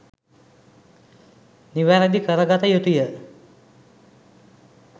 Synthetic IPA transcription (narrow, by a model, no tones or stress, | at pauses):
niʋæɾəd̪ikəɾəɡat̪əjut̪ujə